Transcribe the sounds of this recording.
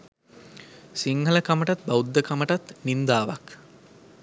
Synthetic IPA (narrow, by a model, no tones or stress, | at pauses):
siŋɦələkaməʈat̪̚bɐud̪ːəkɐməʈat̪nind̪aːʋak